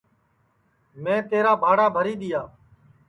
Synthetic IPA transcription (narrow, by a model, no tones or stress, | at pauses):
mẽːt̪eːɾaːbʱaːɽaːbʱəɾiːɗ̪ɪjaː